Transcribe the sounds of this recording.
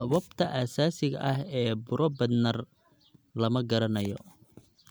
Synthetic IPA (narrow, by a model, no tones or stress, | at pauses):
wɐb̚t̪ʰɐʔaːsaːsɪɣɐ̰ʔɐɦɛːbʊɾɔbɐd̪nɐr | lɐmɐɡɐɾɐnɐjɔ